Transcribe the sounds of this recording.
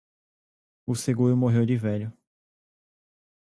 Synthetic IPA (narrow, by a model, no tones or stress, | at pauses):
ʊseɡuɾʊmoɦewd͡ʒɪvɛʎʊ